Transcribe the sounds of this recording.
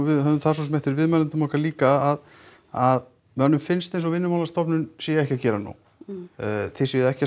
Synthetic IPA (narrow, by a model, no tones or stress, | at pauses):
vɪɦœðʏmθas̬oɔsɛmɛht̪ɪɾvɪðmanant̪ʏmɔhkaliːkaað | að | mɛanːʏmfɪnst̪ejnsɔɣvɪnːʏmalast̪ɔpnʏnsɛjɛɛhkcacɛːɾanṵw | θesɛðɛhca